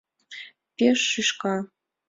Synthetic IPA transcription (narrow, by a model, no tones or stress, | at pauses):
pʲeʃːɨʃkɑ